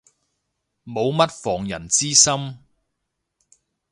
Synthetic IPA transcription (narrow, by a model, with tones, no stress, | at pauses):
mo˨˧wmɐ˥t̚fɔː˨˩ŋjɐ˨˩nt͡siː˥sɐ˥m